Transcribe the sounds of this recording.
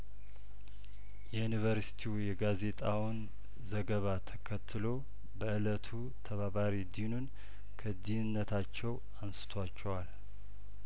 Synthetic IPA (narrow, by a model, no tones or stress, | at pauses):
jɛjunivəɾsi̥t̪ʰijɛɡaze̞t̪ʼawn | zəɡəβat̪ʰəkʰət̪ʰːɨlo̞ | bəʔɨlət̪ʰu | t̪ʰəβaβaɾid̪inun | kʰəd̪iɨnːət̪ʰat͡ʃːɛw | ansɨ̥t̪ʰwat͡ʃːɛwal